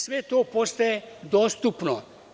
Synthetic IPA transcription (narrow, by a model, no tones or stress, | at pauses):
sʋet̪oːpost̪ajed̪oːst̪upno